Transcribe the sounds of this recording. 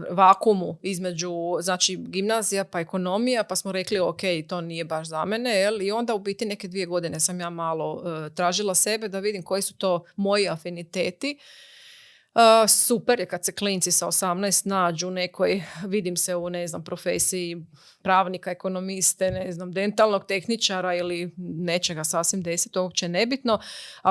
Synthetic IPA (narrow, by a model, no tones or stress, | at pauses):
ʋaːkumuizme̞d͡ʒuznaːt͡ʃiɡimnazijapaeko̞no̞mijapasmoɾe̞kliokejt̪o̞ːnije̞baʃzamene̞jelio̞nd̪aupit̪ine̞ked̪ʋije̞ɡo̞d̪inesamjaːmaːlo̞t̪ɾaːʒilˠase̞be̞d̪aʋid̪imko̞jisu̥t̪o̞ːmo̞jiafinit̪eːt̪i | əsupeɾjekad̪seklint̪sisaosamnajst̪naːd͡ʑune̞kʰojʋid̪imseune̞znampɾo̞fḛːsiji | pɾaːʋnikaeko̞no̞mist̪eneznamd̪e̞nt̪alˠnoɡ̚t̪e̞xnit͡ʃaɾailine̞t͡ʃeɡasasʋimd̪e̞si̥t̪ookt͡ʃene̞bit̪no̞a